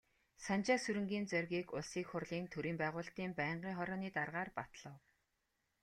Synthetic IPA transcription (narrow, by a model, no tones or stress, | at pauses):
sant͡ɕaːsɵɾɵ̆ŋɡʲiːnt͡sœrʲɣʲiːkʊɮsiːkχʊrɮiːnt̪ʰɵɾiːmpæːʁʊːɬt̪iːmpæːɴɢiːŋχɔɾɔːniːt̪arʁaːrpat̪ɮɞ̆w